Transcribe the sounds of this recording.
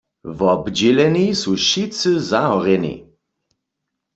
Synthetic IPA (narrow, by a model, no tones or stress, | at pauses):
vɔbd͡ʒɛlɛnisuʃitsɨzaɔʁɛnḭ